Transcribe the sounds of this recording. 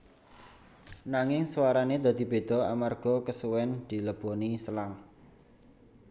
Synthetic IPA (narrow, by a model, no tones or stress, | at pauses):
naŋɪŋswaɾaned̪̥a̤d̪̥i̤b̥e̤d̪̥ɔ̤amarɡ̥ɔkəsuwɛnd̪̥i̤ləb̥ɔ̤nisəlaŋ